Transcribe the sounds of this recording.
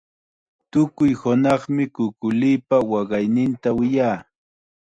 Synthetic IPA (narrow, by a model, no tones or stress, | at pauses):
t̪ʊkʊjhʊnɑχmɪkʊkʊlijpawɑɢɑjnɪnt̪awɪjaː